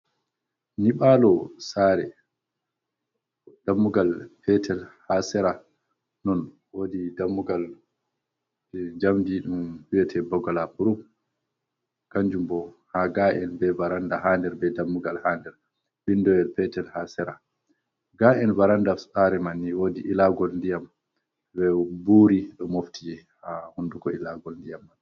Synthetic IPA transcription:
niɓalɔsaːɾɛ | damːuɡalpɛtʰɛlhasɛɾa | nɔn | wodidamːuɡal | d͡ʒamdiɗumwiɛtʰɛbɔɡɔlapuɾum | kaɲd͡ʒumbɔ | haɡaʔɛnbɛvaɾandahaːndɛɾbɛdamːuɡalhaːndɛɾ | bindɔwɛlfɛtɛlhasɛɾa | ɡaʔɛnvaɾandasaɾɛmanːiwodiʔilaɡɔlndijam | bɛbuːɾiɗɔmoftid͡ʒɛ | hahundukɔilaɡɔlndijamːan

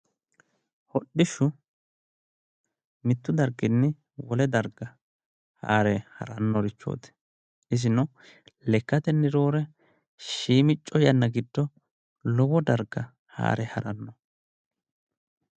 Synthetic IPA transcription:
hɔɗːɪʃʊ | mɪt̪ːʊd̪ɐɾɡɪnːɪ | wɔlɛd̪ɐɾɡɐ | ha̰ːɾɛhɐ̰ɾɐnːɔɾɪt͡ʃːo̰ːt̪ɛ̥ | ɪsɪnɔ | lɛkːɐt̪ɛnːɪɾo̞ːɾɛ | ʃiːmɪt͡ʃʼːɔjɐnːɐɡɪd̪ːɔ | lɔwɔd̪ɐɾɡɐ | ha̰ːɾɛhɐɾɐnːɔ

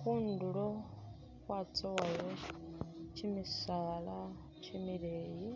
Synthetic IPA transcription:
xunduɺɔ | kwat͡sʰɔwajɔ | t͡ʃʰimisaɺa | t͡ʃʰimiɺeːji

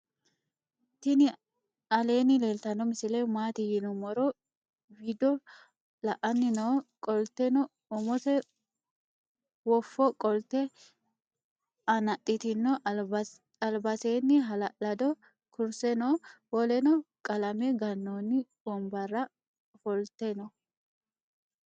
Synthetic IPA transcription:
t̪ɪnɪ | ɐle̞ːnɪleːlt̪ɐnːɔmɪsɪlɛmaːt̪ɪjɪnɔmɔɾɔ | wid̪ɔ | lɐʔɐnːɪnoːkʼɔlt̪ɛnɔ | ɔmɔt̪ɛ | wɔfːɔkʼɔlt̪ɛ | ɐnɐt̪ʼːɪt̪ɪnːɔ | ɐlbɐseːnːɪɦɐlɐlɐd̪ɔ | kʊɾsɛnoːwɔlɛnɔkʼɐlɐmɛɡɐnːoːnːɪbɔmbɐrːɐ | fɔlt̪ɛnɔ

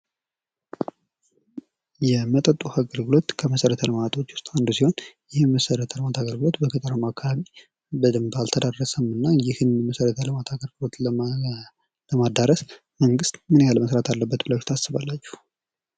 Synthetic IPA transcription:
jɛmət̪ʼət̪ʼːuhaɡəlɡɨlo̞t̪kʰəməsəɾət̪ʰələmat̪ʼʰo̞t͡ʃːwʊ̥st̪ʼand̪usiho̞njɪhməsəɾət̪ʰələmat̪ʰaɡəlɡɨlo̞t̪bəkʰɨt̪ʼəɾəmakːaβaβi | bəd̪ɨmbalt̪ʰəd̪arːəsəmɨnːajɪhɨnməsəɾət̪ʰələmat̪ʰaɡəlɡɨlo̞t̪ | ləmad̪aɾəs | məŋɡɨst̪mɨnjaləməsɾat̪ʰalːəbːət̪bɨlat͡ʃt̪ʰasːɨβalːat͡ʃːu̥h

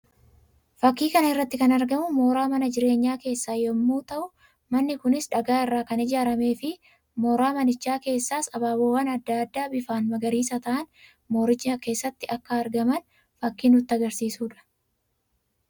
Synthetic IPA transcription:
fɐkːiːkɐnɐɪrːɐt̪ːɪkɐnɐɾɡɐmʊmoːɾaːmɐnɐd͡ʒɪɾe̞ːɲːaːke̞ːsːaːjɔmːuːt̪ɐʔʊ | mɐnːɪkʊnɪsᶑɐɡaːɪrːaːkɐnɪd͡ʒaːɾɐme̞ːfɪ | moːɾaːmɐnɪt͡ʃːaːke̞ːsːaːsɐbaːboːwaːnɐd̪ːaɐd̪ːaːbɪfaːnmɐɡɐɾiːs̬ɐt̪ɐʔɐn | moːɾɪt͡ʃːɐke̞ːsːɐt̪ːɪʔɐkːɐːɾɡɐmɐn | fɐkːiːnʊt̪ːɪɐɡɐɾsiːsuːᶑɐ̥

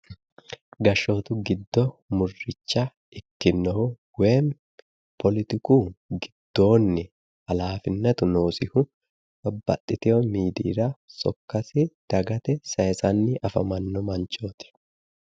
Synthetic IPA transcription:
ɡɐʃoːt̪ʊɡɪd̪ːɔmʊrːɪt͡ʃːɐ | ɪkːɪnːɐhʊ | weːm | pʰɔlɪt̪ɪkuːɡɪd̪̥ːo̞ːnːɛ | ɐlaːfɪnːɐt̪ʊno̞ːsɪhʊ | bɐbːɐ̰t̪ʼːɪt̪ɛɔmiːd̪ḭːɾɐsɔkːɐsɪd̪̥ɐɡɐt̪ɛsɐjsɐnːɪʔɐfɐmɐnːɔmɐnt͡ʃoːt̪ɛ̥

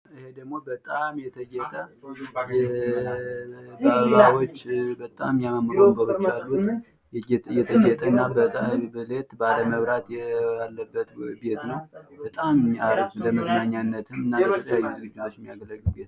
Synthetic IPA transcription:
ʔɨhe̞d̪əɡmo̞bət̪ʼamjɛt̪ʰəɡet̪ʼəjɛ | baβawot͡ʃːbət̪ʼa̰mjammɾobəwot͡ʃːalːut̪ | jɛt̪ʰəd͡ʒet̪ʼəɨnːabəbəlet̪baləməβɾat̪jɛjalːəbːət̪be̞t̪nəwbət̪ʼamaɾɡləməznaɲːanːət̪ʰɨmɨnːajsljajuzɨzɨɡawot͡ʃːjɛmːijaɡəlːəɡːubet̪

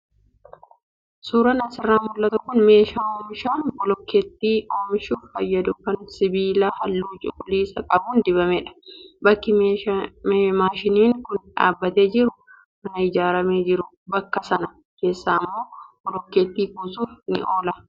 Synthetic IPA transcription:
suːɾɐnɐsɪrːaːmʊlːɐt̪ɐkʊnme̞ːʃaːoːmɪʃaːnbɔlɔkːeːt̪ːiːʔoːmɪʃuːffɐjːɐd̪ʊkɐnsɪbiːlaːhɐlːuːt͡ʃʼɪ̰kʼʊliːsɐkʼɐbuːnd̪ɪbɐmɛᶑɐ̥bɐkːɪ | maːʃɪniːŋkʊnᶑa̰ːbːɐt̪ed͡ʒɪɾʊ | mɐnɐɪd͡ʒaːɾɐmeːd͡ʒɪɾʊ | bɐkːɐsɐnɐ | ke̞ːsːaːmːo̞ːb̥ɔlɔkːeːt̪ːiːkuːsuːfnɪ̰ʔo̞ːlɐ

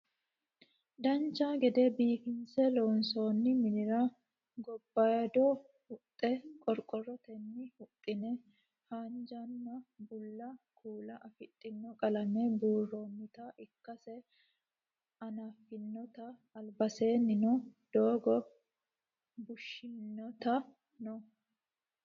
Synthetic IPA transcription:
d̪ɐnt͡ʃːaːɡɛd̪ɛbiːfɪnsɛlonso̞ːnːɪmɪnɪɾɐ | ɡɔbːɐjɐd̪ɔ | hʊt̪ʼːɛkʼɔɾkʼɔrɔt̪ɛnːɪhʊt̪ʼːɪnɛ | haːnd͡ʒɐnːɐbʊlːɐkʰuːlɐʔɐfɪt̪ʼːɪnːɔkʼɐlɐmɛbuːrːoːmːɪt̪ɐʔɪkːɐsɛ | ɐnaːfːɪnːɔt̪ɐːlbɐse̞ːnːɪnɔd̪̥oːɡɔ | bʊʃːɪnːɔt̪ɐ | nɔ

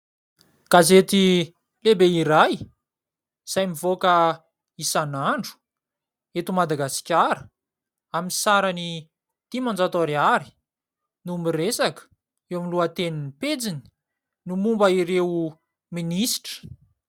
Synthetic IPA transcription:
kazet̪i | lebeiɾaj | z̥ajmivokə | isanaɳɖ͡ʐu̥ | et̪umad̪aɡasi̥kʲaɾə | aminsaɾani | t̪imand͡zat̪oɾiaɾi̥ | numbiresakə̥ | ewamiluat̪eniniped͡zini̥ | numumbəiɾew | minisi̥ʈ͡ʂə̥

